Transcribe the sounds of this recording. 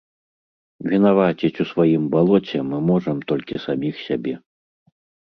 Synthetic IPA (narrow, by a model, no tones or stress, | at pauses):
vʲin̪avat͡ɕʲit͡sʲusvajimbalˠɔt͡sʲɛmɨmɔʐɐmt̪ɔlʲkʲisamʲixsʲabʲɛ